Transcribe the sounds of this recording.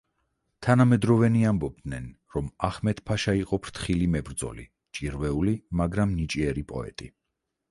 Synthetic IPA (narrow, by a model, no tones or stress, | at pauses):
t̪ʰanamɛd̪ɾɔvɛniambɔb̚d̪nɛn | ɾɔmaχmɛt̪ʰpʰaʃaiqʼɔpʰɾt̪ʰχilimɛbɾd̪zɔ̰li | t͡ʃʼiɾvɛulimaɡɾamnit͡ʃʼiɛɾipʼɔ̰ɛ̰t̪ʼi